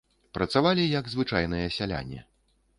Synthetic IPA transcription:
pɾɐt̪savalʲijɐɡzvɨt͡ʂajn̪ɨjɐsʲalʲa̰nʲːɛ̰

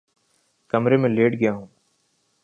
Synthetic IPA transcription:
kɐmɾemẽleːʈɡɪjaɦũː

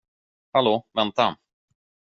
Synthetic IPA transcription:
haloːvɛnt̪a

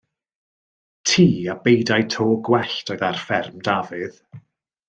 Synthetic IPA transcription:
tʰiːab̥ejdajtʰoːɡwɛɬtʰɔɨðarfɛrmdavɨð̥

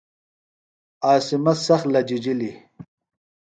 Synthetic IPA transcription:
aːsimɐsɐxlɐd͡ʑid͡ʑili

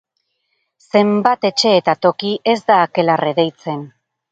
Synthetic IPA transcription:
se̞mbat̪e̞t͡ʃe̞ːt̪at̪o̞kiʔe̞zd̪aːke̞lareðe̞jt͡se̞n

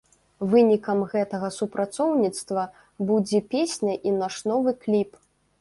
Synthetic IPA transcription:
vɨnʲikɐmɣɛt̪ɐɣɐsupɾʔat̪sɔwnʲit̪st̪vɐ | bud͡zʲɛpʲesʲnʲɐʔinaʂnɔvɨklʲip

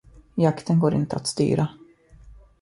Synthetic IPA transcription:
jakt̪ənɡoːɾɪ̰nt̪əat̪st̪y̰ːɾʔa

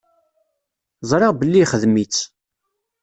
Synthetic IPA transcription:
zˤɾˤɪʁbəlːiχəðmit͡sː

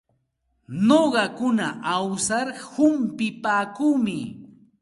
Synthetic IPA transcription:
noɢɑkʊnaʔawsaɾhʊmpɪpaːkuːmɪ

